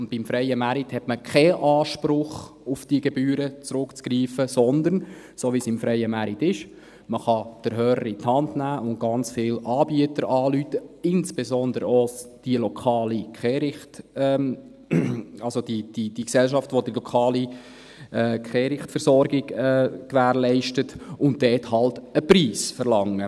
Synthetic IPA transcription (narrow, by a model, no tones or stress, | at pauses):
ʊnb̥imfɾɛɪəmæɾit̪hɛtməkʰɛʔɑːʃpɾʊχufd̥iəɡɛbyːɾət͡sɾʊkt͡skɾiːfəsɔnd̪ən | soːʋiːsɪmfɾʔɛɪəmæɾit̪ɪʃ | məχɑd̥əɾɦœːɾəɾit̪hɑndnæːʔʊnt̚ɡ̥ɑnt͡sfɪlɑːbiətəɾɑːlyt̪əɪnsb̥ezɔnd̪əɾod̥iəlɔkʰɑːlikχɛːɾɪχtɛ | ɑlsod̥id̥id̥iksɛlʃɑftʋod̥əlɔkʰɑːli | ɛkχɛːɾɪχtfəɾsɔɾɡɪɡɛkʋæːɾlɛɪʃtətʊnt̚dɛːthɑltəpɾiːsfəɾlɑŋːə